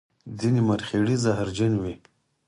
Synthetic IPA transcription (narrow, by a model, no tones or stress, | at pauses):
d͡zinimaɾxeɽizaɦɾd͡ʒanwi